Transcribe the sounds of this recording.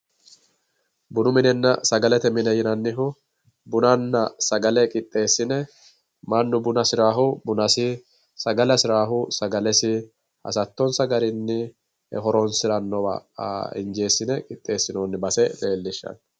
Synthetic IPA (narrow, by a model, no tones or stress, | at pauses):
bʊnʊmɪnɛnːɐsɐɡɐlɛt̪ɛmɪnɛjɪnɐnːɪɦʊ | bʊnɐnːɐsɐɡɐlɛkʼɪt̪ʼːe̞ːsːɪnɛ | mɐnːʊbʊnɐsɪɾaːɦʊbʊnɐsɪ | sɐɡɐlɐsɪɾaːɦʊsɐɡɐlɛsɪ | hɐ̰sɐt̪ːɔnsɐɡɐɾɪnːɪ | hɛ̰ɦɔɾɔnsɪɾɐnːɔwa̰ɪ̰nd͡ʒe̞ːsːɪnɛkʼɪt̪ʼːe̞ːsːɪno̞ːnːɪbɐsɛle̞ːlːɪʃːɐ̰n